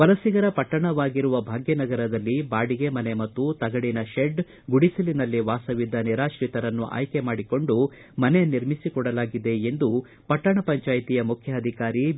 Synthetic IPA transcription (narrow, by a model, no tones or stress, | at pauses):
ʋɐlɐsiɡɐɾɐpɐʈːɐɳɐʋaːɡiɾuʋɐbʱaːɡjɐnɐɡɐɾɐd̪ɐlːibaːɽiɡe̞mɐne̞mɐt̪ːut̪ɐɡɐɽinɐʃeɖ | ɡuɽisilinɐlːiʋaːsɐʋid̪ːɐniɾaːʃɾiːt̪ɐɾɐnːṵʔa̰ːjke̞maːɽiko̞ɳɖu | mɐneniɾmisikɔɽɐlaːɡid̪e̞end̪u | pɐʈːɐɳɐpɐɲt͡ʃaːjt̪ijɐmukʰjɐːd̪ʱikaːɾi